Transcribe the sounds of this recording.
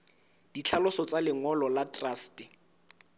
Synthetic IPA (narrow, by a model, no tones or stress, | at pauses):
d̥it͡ɬʰalʊsɔt͡salɪŋɔlɔlatʼraːstɪ